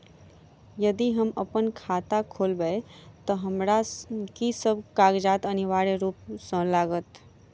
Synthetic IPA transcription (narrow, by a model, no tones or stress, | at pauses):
jəd̪iɦəməpənkʰaːt̪akʰoːlbəet̪ɔɦəmɾakisəb̚kaːɡd͡ʒaːt̪əniʋaːɾeɾuːpsə̃laːɡət̪